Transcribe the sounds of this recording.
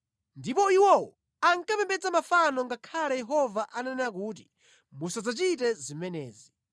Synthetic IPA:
ndipɔiwɔwɔ | aŋkapɛmbɛd͡zamafanɔŋɡakʰalɛjɛɦɔvaʔanɛnak̬uːt̬i̥ | musad͡zat͡ʃit̬ɛzimɛnɛːzi

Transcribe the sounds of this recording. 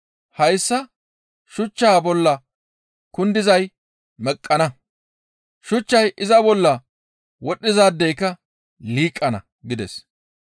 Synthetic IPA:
hɐjsːɐ | ʃʊt͡ʃːaːbɔlːɐ | kʊnd̪ɪzɐj | mɛkʼːɐnɐ | ʃʊt͡ʃːɐjʔɪzɐbɔlːɐ | wɔɗɪzaːd̪ːɛjkːɐ | liːkʼːɐnɐ̰ | ɡɪd̪ɛs

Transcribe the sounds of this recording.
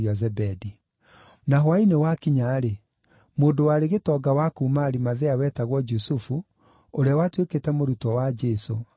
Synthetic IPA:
iazɛbɛdi | naɦwainewakiɲaɾe | moːndowaɾeɣetɔɡawakumaɾimaðeawɛːtaɣwɔd͡ʒusufu | oɾeawatweketɛmoɾutɔwad͡ʒɛso

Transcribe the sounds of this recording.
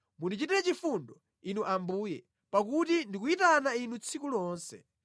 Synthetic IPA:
munit͡ʃitiɾɛt͡ʃifundɔ | inuʔambuːjɛ | pak̬utindikuitanainut͡sʰikulɔːnsɛ̰

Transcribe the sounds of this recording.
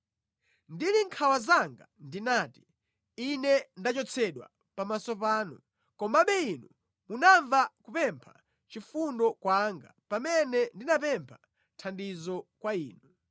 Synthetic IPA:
ndiliŋkʰawazaŋɡandinaːti̥ | inɛndat͡ʃɔt͡sʰɛɗwa̰ | pamasɔp̬aːnu | kɔmaɓɛinu | munaɱvakupɛmpʰa | t͡ʃifundɔkwaŋɡapamɛnɛndinapɛmpʰa | tʰandizɔkwaiːnu

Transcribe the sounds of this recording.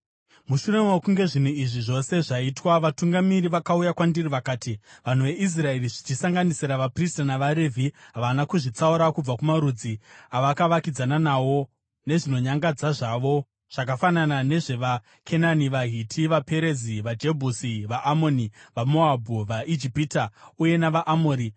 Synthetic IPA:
muʃure̞mewokuŋɡe̞ʐin̤uiʐiʐo̞se̞ʐaitwaʋatuŋɡamiriʋakaujakwandiriʋakaːtiʋan̤uʋe̞ʔis̬rae̞riʐit͡ʃisaŋɡanisiɾaʋapristanaʋaɾevʱiɦaʋanakuʐit͡sauɾakub͡vakumaɾud͡ziaʋakaʋakid͡zananawo̞ | ne̞ʐino̞ɲaŋɡad͡zaʐaʋo̞ | ʐ̥akafananane̞ʐe̞ʋa | kʰe̞naniʋaɦitʰiʋape̞ɾeziʋad͡ʒe̞bʱusiʋaʔamo̞niʋamo̞abʱuʋaid͡ʒipitauje̞naʋaʔamoːɾi

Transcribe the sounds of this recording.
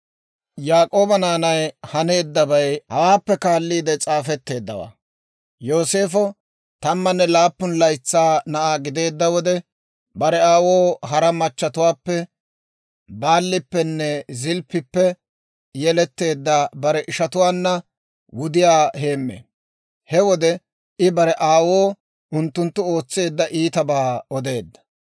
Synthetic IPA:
jaːkʼo̞ːbɐnaːnɐjhɐne̞ːd̪ːɐbɐjhɐwaːpːɛkaːlːiːd̪ɛt͡sʼaːfɛt̪ːe̞ːd̪ːɐ̰wa̰ː | jo̞ːse̞ːfɔ | t̪ɐmːɐnːɛlaːpːʊnlɐjt͡sːaːnɐʔaːɡɪd̪e̞ːd̪ːɐwɔd̪ɛ | bɐɾɛaːwoːɦɐɾɐmɐt͡ʃːɐt̪ʊwaːpːɛ | baːlːɪpːɛnːɛzɪlpːɪpːɛ | jɛlɛt̪ːe̞ːd̪ːɐbɐɾɛʔɪʃɐt̪ʊwaːnːɐ | wʊd̪ɪjaːhe̞ːmːḛː | hɛwɔd̪ɛ | ɪbɐɾɛʔaːwoː | ʊnt̪ːʊnt̪ːʊo̞ːt͡sːe̞ːd̪ːɐʔiːt̪ɐbaːɔd̪e̞ːd̪ːɐ̥

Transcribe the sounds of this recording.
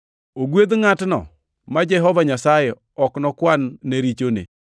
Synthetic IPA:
oɡwed̪ŋatnɔ̰ | mad͡ʒɛɦɔvaɲasajɛ | ɔknɔkwanːeɾit͡ʃonḛ

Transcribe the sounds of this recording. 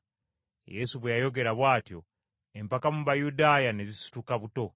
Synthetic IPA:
je̞suβwejajo̞ɡe̞ɾaβwaːtjo̞ | e̞mpakamuβajudaːjane̞zisu̥tukaβuto̞

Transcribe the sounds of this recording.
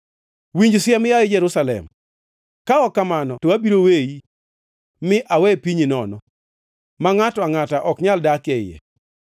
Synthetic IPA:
wiɲd͡ʒsjɛmjaɪd͡ʒɛɾusalɛ̰m | kaɔkːamanɔtowabiɾoweji | mɪʔawɛpiɲinɔnɔ | maŋatɔaŋataʔɔkɲaldakɛjɛ̰

